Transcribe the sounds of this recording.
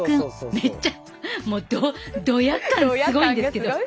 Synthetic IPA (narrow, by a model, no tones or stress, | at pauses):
kɯ̃me̞t͡ɕːa | moːd̪od̪o̞jakːãnsɨɡo̞ĩnd̪esɨke̞d̪o